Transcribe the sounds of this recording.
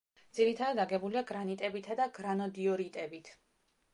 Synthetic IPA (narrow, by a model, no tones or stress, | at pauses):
d̪z̥iɾit̪ʰad̪ad̪aɡɛbuliaɡɾanit̪ʼɛbit̪ʰad̪aɡɾanɔd̪iɔɾit̪ʼɛbit̪ʰ